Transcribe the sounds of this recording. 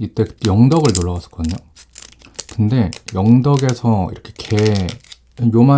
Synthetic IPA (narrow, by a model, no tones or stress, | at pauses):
it͈e̞kɯ̥t͈ːojʌŋdʌɡɯɭnoɭːawas͈ʰɯ̥k͈ʌdɯɲo | kɯnde̞jʌŋdʌɡe̞sʰʌḭɾʌkʰe̞kʰe̞ | joma